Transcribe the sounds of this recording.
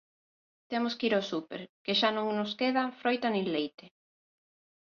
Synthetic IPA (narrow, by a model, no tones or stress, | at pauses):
t̪emoskiɾosupḛɾkeʃanõŋnʊskeðafɾojt̪anẽŋlejt̪e